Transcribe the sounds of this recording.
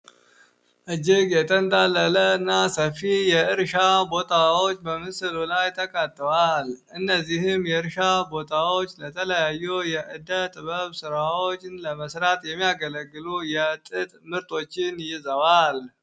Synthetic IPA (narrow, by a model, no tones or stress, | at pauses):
ʔɨd͡ʒɪɡjɛt̪ʰənt̪ʼalːələɨnːasəfijɛʔɨɾʃabo̞t̪ʰawot͡ʃːbəmɨsɨlulajt̪ʰəkʼat̪ʼːəwalʔɨnːəzːihɨmjɛɨɾʃabo̞t̪ʰawot͡ʃːlət̪ʰələjajːujɛʔɨd̪ət̪ʼɨβəβsɨɾawot͡ʃːɪnləməsɾat̪jɛmːijaɡələɡːɨlujɛt̪ʼɨt̪ʼmɨɾt̪ʰo̞t͡ʃːɪnjɪzəwal